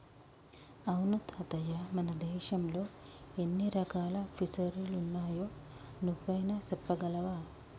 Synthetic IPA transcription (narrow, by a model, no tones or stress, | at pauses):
ɐwnut̪hɐt̪ɐjɐmɐnɐd̪eːʃɐmloenːiɾɐkaːlɐfisɐɾilunːɐɦɐjonubːɐjnɐsepːɐɡɐlɐʋa